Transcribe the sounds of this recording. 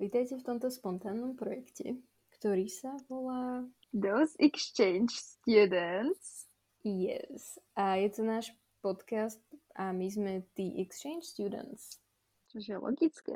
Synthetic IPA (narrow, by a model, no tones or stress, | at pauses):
ʋiːt̪ajcɛft̪ɔmt̪ɔspɔnt̪aːnːɔmpɾɔjɛkcʰɛ̰ | kt̪ɔɾiːsaʋɔlaː | d̪oʊzikst͡ʃɛɪnd͡ʒst̪jud̪ənt̪s | jɛ̰ssʔajɛt̪ɔnaːʃ | pɔt̪kast̪ʔamizmɛt̪iːʔɛkst͡ʃɛɪnt͡ʃst̪jud̪ə̰nt̪s | t͡ʃɔʒɛlɔ̰ɡit͡skɛ̰